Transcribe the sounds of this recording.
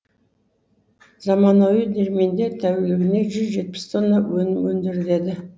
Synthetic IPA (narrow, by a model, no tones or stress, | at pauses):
zɑmɑnowid̪e̞ɾme̞nd̪et̪ʰæwelɪɡʲɪne̞ʒʏzʒe̞t̪̚pɪ̥st̪ʰonːɑwɵnɪmwɵnd̪ɪɾɪd̪e̞d̪ɪ